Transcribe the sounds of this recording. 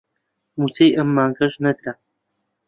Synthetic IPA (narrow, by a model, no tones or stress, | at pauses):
mut͡sejʔɐmːaːŋɡɐʒnɐd̪ɾa